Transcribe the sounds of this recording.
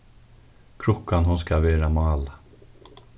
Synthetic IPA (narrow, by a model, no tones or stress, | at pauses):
kʰɾʊkːanhʊnskaʋeːɾamɑːla